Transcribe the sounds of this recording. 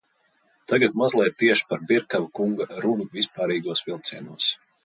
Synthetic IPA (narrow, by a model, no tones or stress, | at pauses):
t̪aɡat̪mazlˠɛjt̪ːiɛʃpaɾbiɾkavakuŋɡaɾunuvʲispaːɾiːɡuɔsvilˠt̪siɛnuɔs